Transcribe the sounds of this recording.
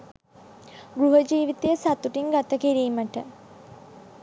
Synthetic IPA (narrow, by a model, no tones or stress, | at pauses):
ɡɾuɦəd͡ʒiːʋit̪ejəsat̪uʈiŋɡat̪əkiɾiːməʈə